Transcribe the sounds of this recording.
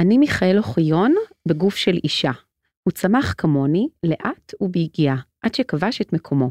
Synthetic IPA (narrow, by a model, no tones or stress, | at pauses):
animiχae̞lo̞χijo̞n | beɡufʃe̞lʔiʃa | hut͡samaχkamo̞nile̞ʔatubeiɡiaʔad̥ʃekavaʃetmekʰo̞mo̞